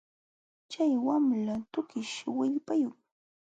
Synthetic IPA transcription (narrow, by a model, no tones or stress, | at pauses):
t͡ʃajwamlat̪ʊkɪʃɪwɪʎpajʊŋ